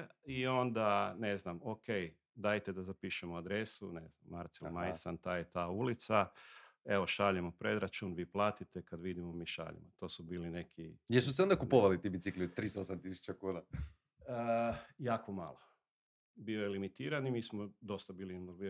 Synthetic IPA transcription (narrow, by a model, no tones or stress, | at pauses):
io̞nd̪ane̞znamoke̞j | d̪ajt̪ed̪azapiːʃemoad̪ɾe̞sune̞znamːaɾt̪selmajsant̪aːjet̪aːulit̪sa | e̞ʋo̞ʃaʎemopɾe̞d̪ɾat͡ʃuːnʋiːplaːt̪it̪ekad̪ʋid̪imomiːʃa̰ʎḛmot̪o̞ːsubiːline̞kʰijesus̬eond̪akupoʋalit̪ibit̪siklit̪ːɾiːsosamt̪isu̥t͡ɕakuːna | əjaːkʰo̞malˠo̞ | biojelimit̪iːɾanimiːsmod̪o̞st̪abiːlinoʋi